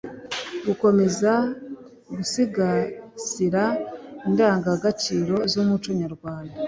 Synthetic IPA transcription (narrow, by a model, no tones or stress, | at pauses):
ɡuko̞me̞za | ɡusiɡaziɾaindaːŋɡaɡat͡ʃiːɾo̞zomut͡ʃoɲaɾɡwaːnda